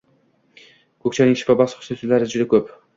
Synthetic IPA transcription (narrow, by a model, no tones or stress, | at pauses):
kʰɵk̚ʲt͡ʃʰanɪŋʃɪ̥fabɑsqʰʊ̥sat̪ɪlaɾɪd͡ʒʊd̪akʰɵp